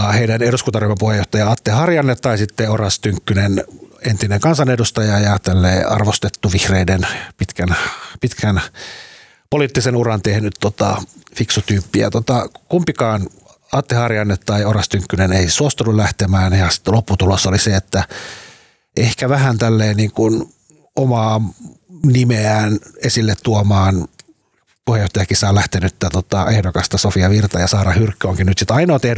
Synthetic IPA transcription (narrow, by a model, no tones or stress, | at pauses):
heidæneɾuskunt̪ɑrimːepuhejˑoht̪ɑjɑɑt̪ːehɑrjɑnːet̪ːɑisit̪ːeorɑst̪yŋkːynenent̪ineŋkɑnsɑnedust̪ɑjɑjɑt̪ælːeːɑ̰rʋost̪et̪ːuʋihreidenpit̪kænpit̪kʰæn | poliːt̪ːisenurɑnt̪ehnyt̪ːot̪ɑ̰fiksut̪yːpːiæ̰t̪ot̪ɑkumpikɑːn | ɑt̪ːehɑriɑnːet̪tːɑiorɑst̪yŋkːyneneisuost̪unulæht̪emæːnjɑsi̥t̪ːlopːut̪ulosːoliseet̪ːæ | ʔehkæʋæhænt̪ælːeːniːŋkun | omɑː | nimeæːnesilːet̪t̪uomɑːn | puhejoht̪ɑjɑkisɑːlæht̪enyt̪ːæt̪ot̪ɑehdokɑst̪ɑsofiɑʋirt̪ɑjɑsɑːɾɑhyrkːøoŋkinnyt̪sit̪ɑinɑot̪eh